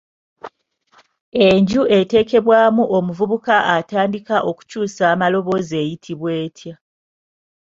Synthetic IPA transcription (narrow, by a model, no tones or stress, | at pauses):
e̞ɲɟue̞te̞ːke̞βwaːmuʔo̞muvuβukaʔataːndikaʔo̞ku̥cuːsaːmalo̞βo̞ze̞ːjitʰiβwe̞ːtʰja